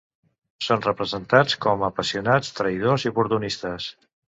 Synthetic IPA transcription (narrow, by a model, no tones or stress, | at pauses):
sonrəpɾəzənt̪at͡skɔməpəsiunat͡st̪ɾəjð̞oziupuɾt̪unist̪əs